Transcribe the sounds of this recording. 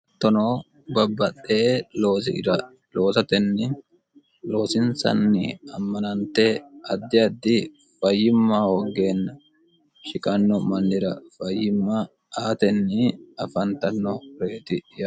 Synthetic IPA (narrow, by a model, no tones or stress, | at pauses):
t̪ːɔnoː | bɐbːɐtʼːeloːsɪ̰ɾɐ | lo̞ːsɐt̪ɛnːɪ | lo̞ːsɪnsɐ̰nːɪ̰ɐmːɐnɐnt̪ɛɐd̪ːɪɐd̪ːɪ | fɐjːɪmːawɔɡe̞ːnːɐ | ʃɪkʼɐnːɔmɐnːɪɾɐfɐjːɪmːa | aːt̪ɛnːɪɐfɐnt̪ɐnːɔɾe̞ːt̪ɪjɐ